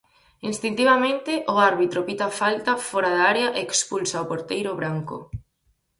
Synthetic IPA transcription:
inst̪int̪iβamẽnt̪ɪʔoaɾβit̪ɾopit̪afalt̪afɔɾaðaɾeaʔeːkspulsaopoɾt̪ejɾʊβɾaŋkʊ̰

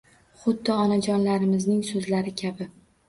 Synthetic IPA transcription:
χʊd̪ːɪɒnad͡ʒɒnlaɾɪmɪznɪŋsɵzlaɾɪkʲʰabɪ

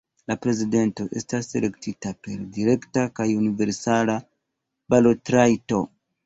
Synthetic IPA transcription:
lapɾe̞zide̞nto̞ʔe̞̰stase̞le̞ktitape̞ɾdiɾe̞ktakajunive̞ɾsala | balotɾajto

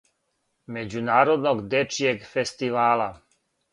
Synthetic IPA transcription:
med͡ʑunaːɾod̪noɡd̪et͡ʃieɡfest̪iʋaːla

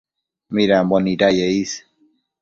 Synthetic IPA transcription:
miɾæmbɔnid̪ajeis

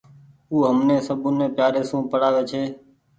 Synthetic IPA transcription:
uːɦəmnẽːsəbʱũnẽːpjaːɾeːsũːpəɽaːʋeːt͡ʃʰeː

